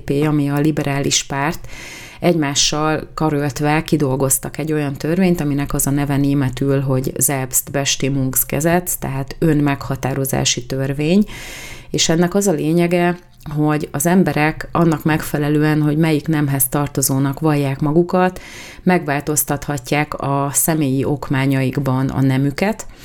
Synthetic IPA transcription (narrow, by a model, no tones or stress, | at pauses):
peːɒmiɒlibɛɾʔaːliʃpaːrt̪ | ɛɟmaːʃːɒlkɒɾølt̪ʋɛkid̪o̞lɡo̞st̪ɒkɛɟːo̞jɒnt̪ørveːɲt̪ɒminɛkɒzɒnɛvɛneːmɛt̪ylɦo̞ɟzɛbst̪vɛʃt̪eːmuŋkskɛzɛt̪t̪ɛ̰ɦaːt̪ø̞nmɛkhɒt̪aːɾo̞za̰ːʃit̪ørveːɲ | eːʃɛnːɛkɒzɒleːɲɛɡɛ | ɦo̞ɟɒzɛmbɛɾɛkɒnːɒkmɛkfɛlɛløːɛnɦo̞ɟmɛjiknɛmɦɛst̪ɒrt̪o̞zoːnɒkʋɒjːaːkmɒɡukɒt̪ | mɛɡʋaːlt̪o̞st̪ɒt̪hɒcːaːkɒsɛmeːjiʔo̞kmaːɲɒjiɡbɒnɒ̰nɛmykɛt̪